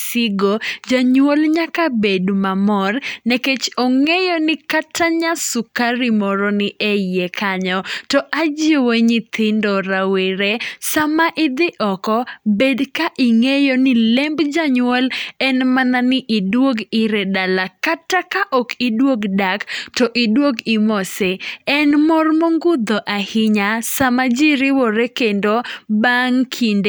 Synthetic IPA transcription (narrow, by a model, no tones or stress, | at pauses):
sɪɡod͡ʒaɲwolɲakabedmamɔrneket͡ʃɔŋejɔnɪkatʰːaɲasʊkaɾimɔɾonɪʔejekʰaɲɔtɔʔad͡ʒɪweɲɪt̪ɪndɔɾaweɾesamaʔɪd̪ɪʔɔkɔbedkaʔɪŋejonɪlɛmbd͡ʒaɲwɛlɛnmananɪʔidwoɡɪɾɛdalakatakaʔɔkidwoɡdaktɔʔɪdwoɡɪmɔseɛnmɔrmɔŋɡʊd̪ɔʔahɪɲasamad͡ʒɪɾɪwoɾekendobaŋkʰind